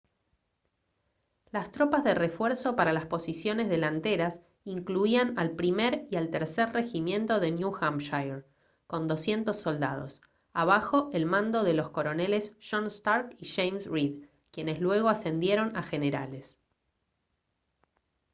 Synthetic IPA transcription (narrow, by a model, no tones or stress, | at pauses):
last̪ɾo̞pazðe̞re̞fweɾso̞paɾalaspo̞sisjo̞ne̞zðe̞lant̪eɾas | iŋkluianalpɾimeɾialt̪eɾseɾre̞ximje̞nt̪o̞ðe̞njuxamʃajɾ | ko̞nd̪o̞sje̞nt̪o̞sːo̞ld̪a̰ð̞o̞̰s | aβ̞axo̞ʔelmãnd̪o̞ð̞e̞lo̞sko̞ɾo̞ne̞le̞sʃonst̪aɾkiʃejmsrið | kje̞ne̞slwe̞ɣ̞o̞ase̞nd̪je̞ɾo̞naxe̞neɾa̰le̞s